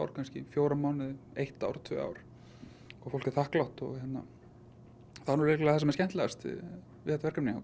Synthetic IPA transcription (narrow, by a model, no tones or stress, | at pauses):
wɾ̥kʰanscɪ̰fjoːwɾamaːwnɪðejht̪a̰wɾt̪ʰvœ̰ːa̰wɾ | ɔɣfowl̥cɪ̥θahklawht̪ɔ̰ɣhɛt̪na̰ | θanɔɾeɪklaθɛs̬ɛmɛscɛnt̪lɛst̪ | vɪɛt̪avɛɾkamnia̰